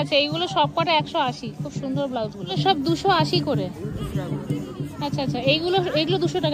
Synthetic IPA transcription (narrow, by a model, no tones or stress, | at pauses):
atːɕʰaejɡuloʃɔb̚kaʈeɛkʃoaʃikʰubʃund̪ʱoɾblawt̪ɡuloʃɔb̚d̪uʃoaʃikoɾe | atːɕʰaatːɕʰaejɡuloejɡulod̪uʃoʈaka